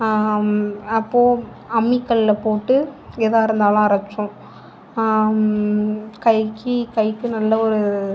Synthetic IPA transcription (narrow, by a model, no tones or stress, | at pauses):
ɐpːoː | ɐmːikːɐɭɪlɐpoːʈːɯeːðaːɪɾɯnd̪aːlãɐɾɐt͡ʃːʊ̃ | kɐɪkːikɐɪkːɯnɐlːɐɔɾɯ